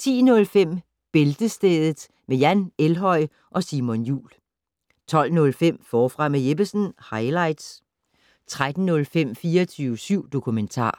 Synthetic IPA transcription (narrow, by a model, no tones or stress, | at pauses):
t͡sʰḭːnɔ̽lfem̰ | b̥e̝ld̥əsd̥eːðˠð̩ˠ | mejænelɦɒ̽ɪ̰ | ʔɒ̽simɔnjṵːl | t͡sʰɒ̽l̰nɔ̽lfem̰fɒːfʁɑ̈meje̝b̥əsn̩hɑ̈ɪlɑ̈ɪd̥s | t͡sʰʁad̥n̩nɔ̽lfem̰fiːɐɐt͡sʰyːʊsyʊ̰d̥o̝kʰument͡sʰɑ̰̈ː